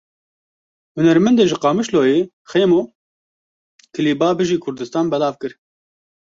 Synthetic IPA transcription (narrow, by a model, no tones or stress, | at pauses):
hʊnɛɾmɛnd̪eːʒɨqɑːmɨʃloːjeː | xeːmoː | kʰɨliːbɑːbɨʒiːkʰʊɾd̪ɨst̪ɑːnbɛlɑːvkɨɾ